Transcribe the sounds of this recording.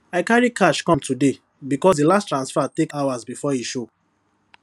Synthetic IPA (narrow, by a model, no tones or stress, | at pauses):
aɪkaɹikaʃkɔ̃mtʰude | bikɔsdilastɹãnsfɛtekawazbifɔiʃo